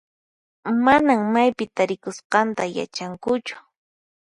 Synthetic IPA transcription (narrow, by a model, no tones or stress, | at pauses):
manaŋmajpɪt̪aɾɪkʊsqɑnt̪aja̰t͡ʃaŋkʊt͡ʃʊ̥